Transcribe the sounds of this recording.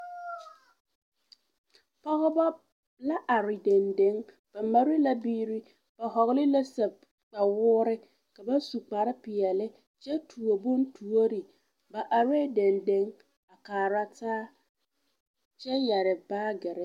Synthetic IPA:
pa˦hʊ˦ba˦ | la˦ʔa˨ɾɪ˨de˨nde˨˦ŋ | b̥a˨ma˦ɾɪ˦la˦biː˦ɾi˦ | b̥a˨ɦɔ˨ɣɪ˦lɪ˦la˦sa˨ | k͡pa˨wʊː˦ɾɪ˦ | ka˨ba˦su˨k͡pa˨ɾɪ˦pɪ˨ɛ˨lɪ˦ | t͡ʃɛ˦tʰu˨o˨bʊ˦n˦tʰu˨o˦ɾi˨ | ba˨ʔa˨ɾeː˦de˨nde˦ŋ | a˨kaː˨ɾa˦taː˦ | t͡ʃɛ˦jɛ˨ɾɪ˨baː˦ɡɛ˨ɾɛ˦

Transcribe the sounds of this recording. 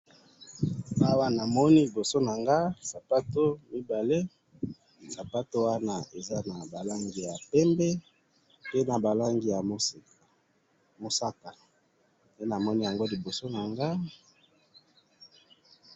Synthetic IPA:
a˦wa˦na˨mɔ˦ni˦li˨bo˨so˦na˨ŋɡa˦sa˨pa˦to˦mi˦ba˨le˦ | sa˨pa˦to˦wa˦na˨e˨za˦na˨ba˨la˦ŋɡi˨ja˨pɛ˦mbɛ˦ | pe˦na˨ba˨la˦ŋɡi˦ja˨mo˦se˨k | mo˨sa˦ka˨ | ne˦na˨mɔ˦ni˦ja˨ŋɡo˦li˨bo˨so˦na˨ŋɡa˦

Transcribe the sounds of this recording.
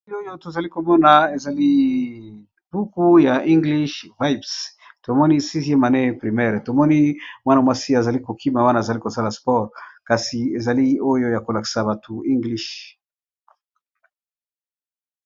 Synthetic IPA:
i˦o˦jo˦to˨za˨li˦ko˨mɔ˦na˨e˨za˨li˦ | b̥u˦ku˦ja˨ʔi˦ŋɡli˦ʃva˦jbs | to˨mɔ˦ni˦si˦ze˦ma˨nɛ˦˨pʁi˨mɛ˦˨ʁto˨mɔ˦ni˦mwa˦na˨mwa˦si˦a˨za˨li˦ko˨kʰi˦ma˨wa˦na˨za˨li˦ko˨sa˦la˨spɔ˦ʁka˨si˨e˨za˨li˦o˦jo˦ja˨ko˨la˨ki̥˦sa˨ba˨tʰu˨i˦ŋɡli˦ʃ

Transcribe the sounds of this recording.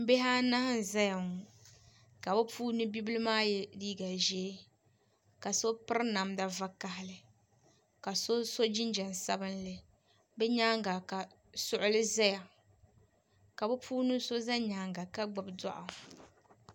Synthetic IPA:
m̩˦be˦ɦaː˦na˦ha˦n˨za˦ja˨ŋ˨ | ka˨bɛ˦pʰuː˦nɨ˦bi˦bɨ˦lɨ˦maː˦jɛ˦liː˦ɡa˨ʒɛː˦ | ka˨so˦pɨ˦ɾna˨mda˦va˦ka˨ɦɪ˦lɨ˨ | ka˨so˦so˦d͡ʒi˦nd͡ʒɛ˨n˨sa˦bɨ˦nlɨ˨ | bɛ˦ɲaː˦ŋɡa˨ka˨ | sʊ˦ʔʊ˦lɨ˦za˦ja˨ | ka˨bɛ˦pʰuː˦nɨ˦so˦za˦ɲaː˨ŋɡa˨ka˦ɡ͡ba˨bdɔ̰˦ʔa˨

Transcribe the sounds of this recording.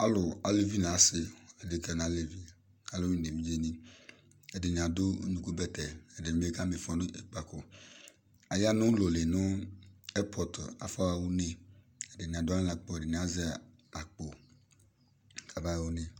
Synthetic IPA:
a˦lʊ˨a˨le˦vi˦nã˨a˦sɪ˦e˨dɪ˨kɛ˨nã˨˦le˨vi˦ | a˨lo˦ɲ˦˨ne˨vi˦d͡ʒe˦nĩ˦ | e˨dɪ˨ɲ˨ã˨dʊ˦ɲũ˦ku˦bɛ˦t̪ɛ˨e˨dɪ˨m˦e˦ka˦me˨fɔ̃˨nʊ˦e˨k͡pa˨ko˨ | a˨ja˦nʊ̃˦lo˨le˨nʊ̃˦ɛ˦pʰɔ˨ta̰˨fa˦wa˦wu˦nẽ˦ | e˨dɪ˨ɲ˨ã˨dʊ˦ã˦la˨k͡pɔ˦e˨dɪ˨n˨a˦zɪ˦a˨ | a˨k͡po˨ | kʰa˨ba˦wo˦ne˨

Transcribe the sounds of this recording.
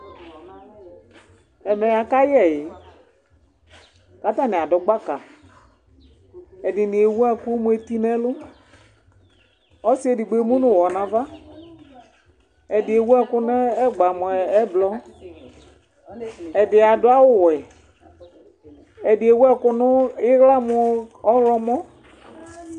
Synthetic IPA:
ɛ˨mɛ˨ja˨ka˦jɛ˨jɪ˨ | ka˨˦ta˦˨nɪ˨a˨dʊ˨ɡ͡ba˦ka˨ | ɛ˨dɪ˨nɪ˨e˨wu˦ɛ˦kʊ˦mu˦e˨ti˦nɛ˦lʊ˦ | ɔ˦sɪ˦e˨dɪ˨ɡ͡be˨˦mu˦nʊ˨wɔ˨nã˨va˦ | ɛ˨dɪ˨e˨˦wu˦ɛ˦kʊ˦nɛ˦ɛ˦ɡ͡ba˨mʊ˨ɛ˨ɛ˦blɔ˦ | ɛ˨dɪ˨a˨dʊ˦a˦wʊ˦wɪ˨ | ɛ˨dɪ˨e˨˦wu˦ɛ˦kʊ˦nʊ˦ɪ˦ɣla˦mʊ˦ɔ˦lɔ˦mɔ˦

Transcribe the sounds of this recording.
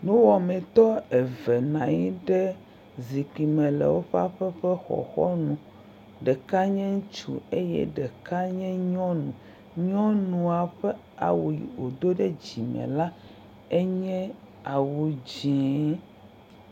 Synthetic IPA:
nũ˦wɔ˨mɛ̃˨t̪ɔ˦ɛ˨vɛ˨nã˨ɲi˦ɖɛ˦ | zi˨ki˨mɛ̃˨lɛ̰˨wo˦ɸa˦ɸɛ˦ɸɛ˦xɔ̰˨xɔ̰˦nũ˨ | ɖɛ˨ka˦ɲɛ̃˦ŋ˦t͡ʃṵ˨e˦jɛ̰˦ɖɛ˨ka˦ɲɛ̃˦ɲɔ̃˦nũ˨ | ɲɔ̃˦nũ˨a˨ɸɛ˦ | a̰˨wu˨jḭ˨o˨d̪o˦ɖɛ˦d͡ʑi˨mɛ̰̃˨la˦ | e˦ɲɛ̃˦ | a˨wu˨d͡ʑĩ˨˦

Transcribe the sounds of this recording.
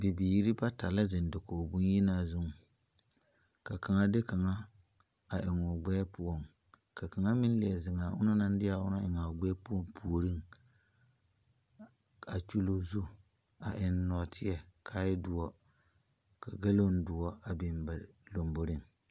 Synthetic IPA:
bɪ˨biː˨˦ɾi˦ba˦ta˨la˦zɪ˨n˨do˨ko˨bu˦n˦ji˦naː˦˨zʊ˦ŋ˨ | ka˨ka˨ŋa˦dɪ˦ka˨ŋa˦ | a˨ʔɪ˨ŋʊ˨ɡ͡bɛ˦pʊ˦ɔ˦˨ŋ | ka˨ka˨ŋa˦mɪ˦n˦li˨ɛ˨zɪ˨ŋaː˨ʊ̰˦na˦na˦n˦dɪ˦a˨ʊ˦na˦ɪ˨ŋa˨ɡ͡bɛ˦pu˦ɔ˦mpʰu˨o˨ɾɨ˦ŋ | a˨t͡ʃu˦lo˨zu˦ | a˨ʔɪ˨n˦nɔ˨tʰɪ˦ɛ˨kʰa˨˦jɪ˦dʊ˨˦ɔ˦ | ka˨ɡa˦lo˦n˦dʊ˨ɔ˦a˨bɪ˨mba˨lo˨mbo˦ɾɪ˦ŋ

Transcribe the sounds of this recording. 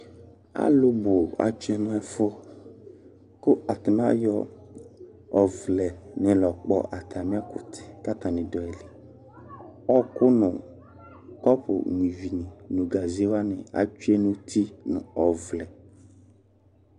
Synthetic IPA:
a̰˦lʊ˦bʊ˨a̰˨t͡ʃu˦ɛ˦nʊ̃˦ɛ˨fʊ˦ | kʊ˦a˨t̪ɪ˨n˦a˦jɔ˦ | ɔ˨vlɛ˨nʊ̃˨lɔ˨k͡pɔ̰˦ʔa˨t̪ʰa˨mĩ˦a˦kʊ˨t̪ʰɪ̥˨ka˦t̪a˨nɪ̃˨dɔ˨ɛ˨li˨ | ɔ˦kʊ˦nʊ̃˨ | kɔ˦pʊ̰˨ɲĩ˨vi˨nĩ˨nʊ̃˨ɡa˨zi˦e˦wa˦nɪ̰̃˨a̰˨t͡ʃu˦ɛ˦nʊ̃˦t̪ʰi˦nʊ̰̃˨ɔ˨vlɛ˨

